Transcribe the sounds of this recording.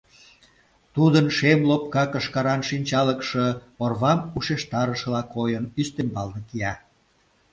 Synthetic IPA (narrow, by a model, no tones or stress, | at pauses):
t̪ud̪ənʃemlopkɑkəʃkɑɾɑnʃinʲt͡ɕɑləkʃɤ̆orβɑmuʃeʃt̪ɑɾəʃəlɑkojənyst̪embɑlnə̆kiɑ